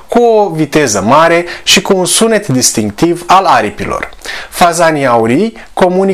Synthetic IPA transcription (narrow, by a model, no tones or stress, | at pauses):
kuovit̪e̞zəmaɾe̞ʃikuːnsune̞t̪d̪ist̪iŋk̚t̪ivalaɾipilo̞̰rfazaniauɾi | ko̞muni